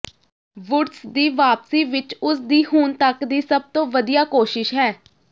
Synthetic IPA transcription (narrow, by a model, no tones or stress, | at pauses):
ʋʊʈsd̪iːʋaːpsiːʋɪt͡ʃʊsd̪iːhuːnt̪əkd̪iːsəb̚t̪õːʋəd̪ijaːkoːʃɪʃɦɛː